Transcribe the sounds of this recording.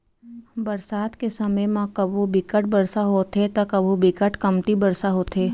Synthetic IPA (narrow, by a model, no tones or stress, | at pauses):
bɐɾsaːt̪kesɐməjmãkəbʱubɪkəʈ̚bɐɾsaɦoːt̪et̪ɐkɐbʱubɪkəʈkɐmt̪ibɐɾsaɦoːt̪ʰeː